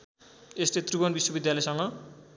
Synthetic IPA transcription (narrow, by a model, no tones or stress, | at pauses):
eslet̪ribʌnbiswʌbid̪jalʌjsʌŋɡʌ